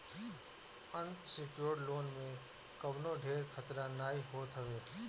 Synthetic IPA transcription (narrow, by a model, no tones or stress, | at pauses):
ənsɪkjoːɾɖloːnmẽ | kəbnoɖʱeːɾkʰət̪ɾãnaːiɦoːt̪ɦəʋeː